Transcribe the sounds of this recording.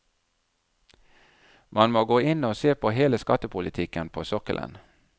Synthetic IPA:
mɑnmoːɡoːɪnoːseːpʰoːɦeːləskɑt̪əpʰʊlɪt̪ʰɪkənpʰoːsɔkəlʔə̰n

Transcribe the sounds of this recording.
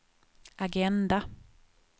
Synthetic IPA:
aɡɛnd̪a

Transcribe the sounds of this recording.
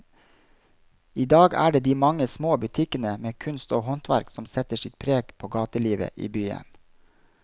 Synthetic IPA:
iːd̪ɑːɡæ̰ːɖeːd̪iːmɑŋəsmoːbʉt̪ʰɪkənəmeːkʰʉnst̪oːhɔnt̪ʰʋæɾksɔmsɛt̪əʃɪt̪̚pʰɾeːɡpʰoːɡɑːt̪əliːʋə̰ʔḭːbyːə̰n

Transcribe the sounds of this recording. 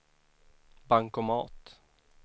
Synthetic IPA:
baŋkɔmɑːt̪

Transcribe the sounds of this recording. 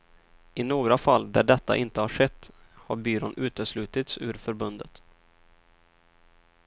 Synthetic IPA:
ʔɪnoːɡɾafalːd̪æɖɛt̪ːa̰ʔɪnt̪əhaʂɛt̪ːhaɾbyːɾɔnʉ̟ːt̪əʂlʉ̟ːt̪ɪt̪sʉ̟ːɾfœɾbɵnd̪ət̪

